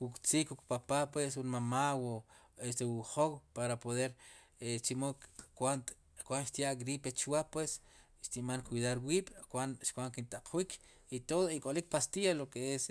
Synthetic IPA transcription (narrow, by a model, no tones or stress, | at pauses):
wukʼt͡sikwuk̚papapwesxunmamawo | est̪ewuχowpaɾapoðeɾ | et͡ʃimokkwant | kwanʃt̪jaʔɡɾipet͡ʃwaʔpwes | ʃt̪iʔmaŋkwiðaɾwiːɓ̥kwanʃkʷwaŋkint̪aq͡χʰwikʰ | it̪oðoikʼolik̚past̪ialokees